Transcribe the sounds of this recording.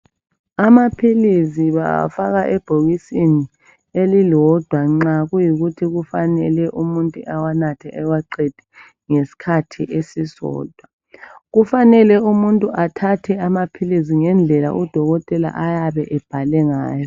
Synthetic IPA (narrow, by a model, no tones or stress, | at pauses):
amapʰiliziβa̰faɣaʔɛb̥ʱoɣisini | elilɔd̥ʱwaŋ͡ǁaɣujiɣutʰiɣufanɛlɛʔumuntʼuʔawanatʰɛʔɛwaǃed̥ʱɛ̥ | ŋesi̥kʰatʰiʔesisɔ̰ːd̥ʱwa | ɣufanɛlɛumuntʼuʔatʰatʰɛamapʰiliz̬iŋɛnd͡ɮʱɛla̰ʔud̥ʱɔɣɔtʼɛla̰ʔajaβɛʔɛb̥ʱalɛŋaːjɔ